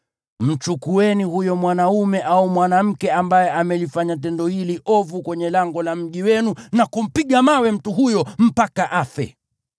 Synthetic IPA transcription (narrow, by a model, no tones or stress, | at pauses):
m̩t͡ʃukuɛnihujɔmwanaumɛʔaumwanam̩kɛambajɛʔamɛlifaɲat̬ɛndɔhiliʔɔvukwɛɲɛlaŋɡɔlam̩ʄiwɛnunakum̩piɠamawɛm̩tuɦujɔm̩pakaʔafɛ̰